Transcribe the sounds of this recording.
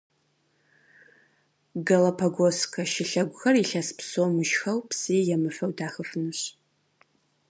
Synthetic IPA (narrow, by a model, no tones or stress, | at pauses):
ɡɐlɐpʰɐɡʷoskʰɐʃɪɬɐɡʷʊxɐriɬɐspsoːmɨʒxɐwpsiːjɛmɨfɐwdaːxɨfɨnɨɕ